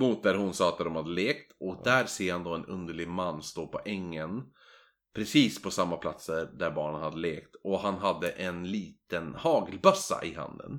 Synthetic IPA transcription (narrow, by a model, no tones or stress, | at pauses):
muːt̪̚d̪æɾhʊnsɑːat̪̚d̪ɔmhad̪ːəleːkt̪ɔk̚d̪æɾseːhand̪oːɛnɵ̰nd̪əɭɪɡmanːst̪oːpʰɔʔɛŋːən | pʰɾɛsiːspʰɔsamːapʰlat̪səɾd̪æɾbɑːɳənhad̪ːəleːkt̪ɔhanɦad̪ːəʔɛnliːt̪ənhɑːɡlbœsa̰ʔɪɦa̰nd̪ə̰n